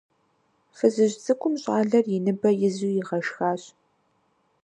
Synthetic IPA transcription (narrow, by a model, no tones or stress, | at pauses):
fɨzɨʑt͡sʼɨkʷʰʼʊmɕʼaːɮɐrjɪnɨbɐjɪzuːjɪʁɐʃxaːɕ